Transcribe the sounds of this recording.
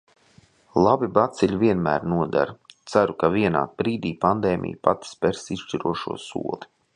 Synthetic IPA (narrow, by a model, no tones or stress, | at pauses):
lˠabibat̪siʎʲviɛnmæ̰ːɾnuɔd̪a̰ɾt̪saɾukaviɛna̰ːt̪̚bɾiːd̪iːpand̪eːmʔʲḭjpat̪i̥spɛɾsisʃʃt͡ʃiɾuɔʃṵɔsṵɔlˠi